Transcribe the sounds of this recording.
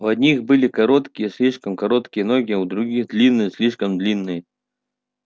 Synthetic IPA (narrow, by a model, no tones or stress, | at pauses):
uɐd̪ʲnʲixbɨlʲɪkɐɾot̪kʲɪjəsʲlʲiʂkəmkɐɾot̪kʲɪjənoɡʲɪud̪ɾʊɡʲixd̪lʲinːɨjəsʲlʲiʂkəmd̪lʲinːɨjə